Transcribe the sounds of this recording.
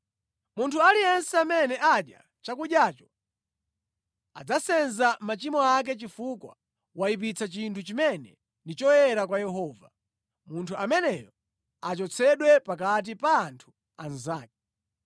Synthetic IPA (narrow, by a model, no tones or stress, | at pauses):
muntʰualijɛnsɛamɛnɛʔaɗja̰ | t͡ʃakuɗjaːt͡ʃɔ̥ | ad͡zasɛnzamat͡ʃimɔak̬ɛt͡ʃifukwa | waip̬it͡sʰat͡ʃintʰut͡ʃimɛnɛ̰ | ndit͡ʃɔjɛɾakwajɛɦɔːva | muntʰuamɛnɛjɔ | at͡ʃɔt͡sʰɛɗwɛpakat̬ipaːntʰu̥ | a̰nzaːk̚ɛ